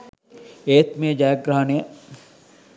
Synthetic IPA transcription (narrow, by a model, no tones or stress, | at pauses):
eːt̪mẽːd͡ʒaːjɡɾɦane